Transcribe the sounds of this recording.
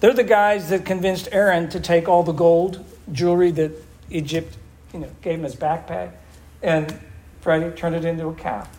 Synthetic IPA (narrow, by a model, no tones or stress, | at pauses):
ðə˞ðɨɡaɪzðɨt̚kʰɨ̃ɱvɪ̃nstɛɹɨ̃ntʰɨtʰeɪkɔlˠðəɡoʊlˠd | d͡ʒʊɹiðɨɾ | id͡ʒɨp̚t | jɨnoʊɡ̥eɪṽmɨzbæk̚pʰæ̰ɪ | ɨ̃n | fɹɛɾitʰɜ̃˞ndɨɾɪ̃ntuəkʰæ̰